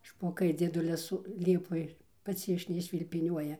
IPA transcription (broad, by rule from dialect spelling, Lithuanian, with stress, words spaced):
ʃpoːˈkɐɪ d͡zʲiɛˈdʊlʲɪs ˈlʲiɛpoːj ˈpɐts ɪʃ nʲɛɪʃʲʃʲʋʲɪlʲpʲɪˈnʲuɔjɛ